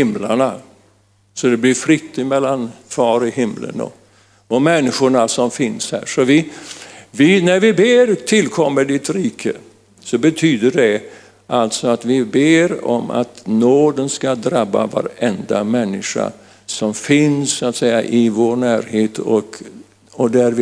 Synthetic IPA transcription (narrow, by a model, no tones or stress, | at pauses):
hɪmlaɳa | sɔd̪ɛblɪɾfɾɪt̪ːɪmɛlːanfɑːɾɔhɪmlə̰nɔ̰ | ɔmɛnːɪɧʊɳasɔmfɪnshæ̰ːʂɔvɪ | vɪnæɾvɪbeːɾt̪ʰɪlːkʰɔmːəɖɪt̪ɾiːkʰə̰ | sɔbɛt̪ʰyːd̪əɖɛ | ʔalt̪sɔat̪vɪbeːɾɔ̰ma̰t̪noːd̪ənskad̪ɾabːa̰va̰ɾɛnd̪amɛnːɪʂa̰ | sɔmfɪnssʊaːt̪sɛjːaʔɪvoːɳæːɾheːt̪ʰɔk | ɔd̪æɾvɪ